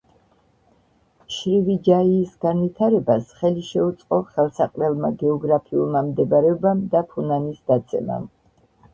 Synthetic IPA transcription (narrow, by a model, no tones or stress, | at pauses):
ʃɾivid͡ʒaiːsɡanvit̪ʰaɾɛbasχɛliʃɛut̪sʼqʼɔχɛlˠsaqʼlɛlˠmaɡɛɔɡɾapʰiulˠmamd̪ɛbaɾɛɔbamd̪apʰunanisd̪at̪sʼʰɛma̰m